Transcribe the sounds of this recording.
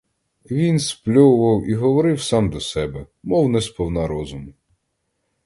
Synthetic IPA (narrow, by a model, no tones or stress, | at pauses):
ʋʲinsplʲɔwʊʋɐwiɦɔʋɔɾɪwsɑmd̪ɔsɛbɛ | mɔwnɛspɔwnɑɾɔzʊmʊ